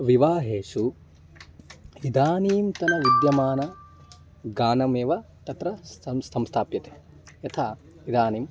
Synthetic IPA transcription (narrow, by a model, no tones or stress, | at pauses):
ʋiʋaːɦeːʃu | id̪aːniːmt̪ɐnɐʋid̪jɐmaːnɐ | ɡaːnɐmeːʋɐ | t̪ɐt̪ɾɐɐsɐmst̪ʰaːpjɐt̪e̥ː | jɐt̪ʰaː | id̪aːniːm